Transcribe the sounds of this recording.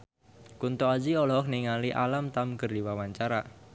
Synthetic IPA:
kunt̪ɔad͡ʒiɔlɔkniŋaliʔa̰lamt̪amkərdiwawaɲt͡ʃaɾa

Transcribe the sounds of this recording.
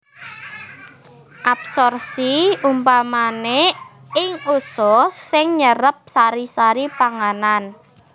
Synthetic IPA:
ʔapsɔrsiumpamane | ɪŋusɔsɪŋɲəɾəp̚saɾisaɾipaŋanan

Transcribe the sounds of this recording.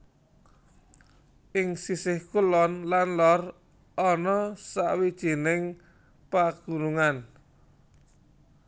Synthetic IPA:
ʔɪŋsisɪhkulɔnlanlɔr | ʔɔnɔsa̰wid̥ʒ̥i̤nɪŋ | paɡ̥ṳnuŋan

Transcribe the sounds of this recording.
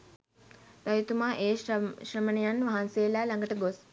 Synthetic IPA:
t̪ajut̪umaːʔeːʃrəmənijanʋaɦanseːlaːlaŋɡəʈəɡos

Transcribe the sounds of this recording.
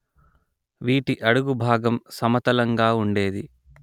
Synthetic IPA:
ʋiːʈiʔɐɽuɡubʱaːɡɐmsɐmɐt̪ɐlɐŋɡaːuɳɖe̞ːd̪i

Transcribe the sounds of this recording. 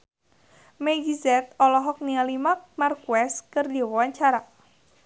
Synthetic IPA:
mɛɡizɛt̪̚ɔlɔɦɔk̚nialimak̚markuɛskərdiwɔaɲt͡ʃaɾa

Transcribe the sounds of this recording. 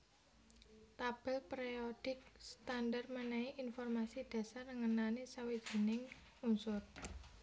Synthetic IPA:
t̪ab̥ɛ̤lpɾeod̥ɪ̤k̚st̪andarmənɛiʔinfɔrmasid̪̥ä̤sarnəŋənanisawid̥ʒ̥i̤nɪŋ | unsʊr

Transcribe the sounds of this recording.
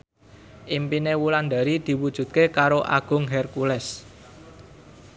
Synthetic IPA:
ʔimpinewuland̪a̤ɾid̪̥i̤wud̥ʒ̥ṳt̪̚kekaɾoʔa̰ɡ̥ʊ̤ŋɦɛrkulɛs

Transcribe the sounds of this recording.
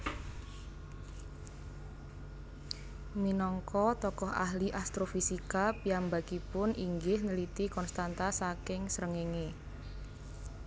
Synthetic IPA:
minɔŋkɔt̪ɔkɔha̰hliʔast̪ɾofisikapiambakipʊnʔiŋɡɪhnəlit̪ikɔnst̪ant̪asakɪŋsəɾəŋeŋe

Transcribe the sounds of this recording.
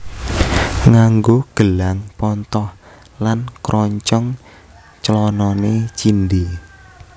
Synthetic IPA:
ŋaŋɡoɡ̥əlaŋpɔnt̪ɔh | lankɾʔɔɲt͡ʃɔŋ | t͡ʃəlɔnɔnet͡ʃind̪i

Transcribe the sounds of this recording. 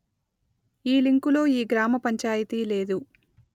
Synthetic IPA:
iːliŋkulo̞ːiːɡɾaːmɐpɐɲt͡ʃaːjit̪iːle̞ːd̪u

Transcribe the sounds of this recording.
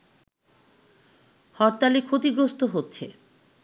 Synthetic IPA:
hɔɾt̪alikʰot̪iɡɾost̪oɦotːɕʰe

